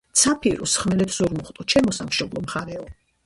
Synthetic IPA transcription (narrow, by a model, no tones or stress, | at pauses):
t̪sʰapʰiɾusχmɛlɛpʰz̥uɾmɔχt̪ʼɔt͡ʃʰɛmɔsamʃɔblˠɔmχaɾɛɔ